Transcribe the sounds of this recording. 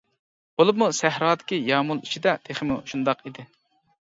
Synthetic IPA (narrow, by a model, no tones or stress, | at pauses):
b̥olˠup̬̚musæɦɾɑːd̪ɪ̥kʲijɑːmulˠit͡ʃʰid̪ɛt̪ʰeχɪmuʃund̪ɑqid̪ɪ